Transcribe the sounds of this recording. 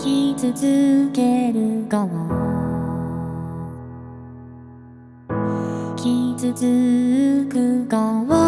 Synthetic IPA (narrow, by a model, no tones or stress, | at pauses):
kʲit͡sɨzɨkeɾɯkama | kʲit͡sɨzɨ | kɯkawa